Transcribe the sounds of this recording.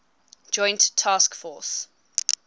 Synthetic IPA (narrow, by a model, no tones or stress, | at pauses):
d͡ʒɔ̃ɪ̃ntʰːɑːskfɔːˑs